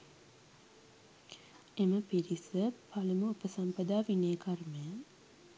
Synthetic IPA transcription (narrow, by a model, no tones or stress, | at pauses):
eməpiɾisəpʰaləməupəsampɐd̪aːʋineːkʰɐrmejə